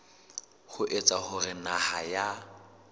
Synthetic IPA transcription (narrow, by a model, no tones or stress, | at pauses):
hʊʔet͡sʼaχʊrɪnahaja